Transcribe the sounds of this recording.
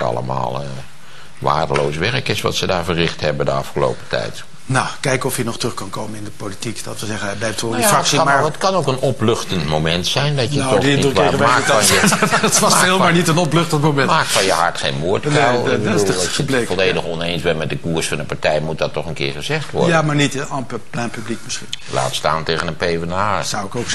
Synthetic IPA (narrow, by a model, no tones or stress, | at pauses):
tɑ̰lˠə̰ma̰ːlˠə | ʋa̰ːrdəlowsʋɛrəkɪsʋɑ̰tsədaːɹvərɪxthɛbədəɑfχəlo̰wpə̥tɛ̰jt | nakɛjkɔfjənɔχtrɵχkɑnkowmənɪndəpolitikd̥ɔtʋəzɛɣənblɛjptʋɔafrksmətkɑnowkənɔplɵxtəntmomɛntsɛjndɔtjətɔidkeəaːk̚tfanjətʋɑselˠmanitənɔplɵxtəntmomɛnmaːk̚fɔjəɦɑ̰ɹtχeːnmuːtɛlˠbədulˠəblekfɔlˠlejdəχɔnejnsʋɛmɛt̚dəkuːəɹsfɑndəpaɹtɛjmut̚dɑtːɔχənkɪ̰ːɹχəzɛχtʋɔ̰rdamaːɹnitɔpplɛnpyblikmɪsχinla̰ːtsta̰ːntejɣənənpejvənaːsawɪkowk